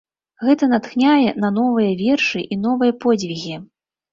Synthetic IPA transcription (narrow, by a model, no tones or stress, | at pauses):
ɣɛt̪ɐnat̪xnʲajɛnɐnɔvɨjɐvʲɛrʂɨʔinɔvɨjɐpɔd͡zʲvʲiɣʲi